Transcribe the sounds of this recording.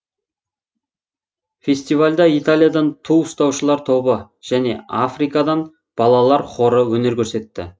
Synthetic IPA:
fʲe̞sʲt̪ivalʲd̪ɑijt̪alʲˠijad̪ɑnt̪ʰuʊst̪ɑwʃəlˠɑɾt̪ʰo̞bə | ʒ̥æne̞̰afrijkɑd̪ɑn | b̥ɑlˠɑlˠɑɾqʰo̞ɾəwɵne̞ɾkʲʰɵɾse̞t̪ːɪ̰

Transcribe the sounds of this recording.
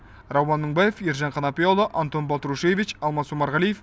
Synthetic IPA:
rɑwːɑnːəŋbɑjefjeɾʒɑɴqʰɑnɑpijolˠəʔant̪o̞nbɑlˠt̪ɾuʃejevit͡ʃɑlˠmɑsumɑɾʁɑlijef

